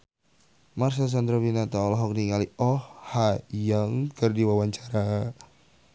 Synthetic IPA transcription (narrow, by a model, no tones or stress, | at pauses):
mars̬as̬and̪ɾabinat̪aɔlɔɦɔk̚niŋaliɔhhajaŋkərdiwawaɲt͡ʃaɾa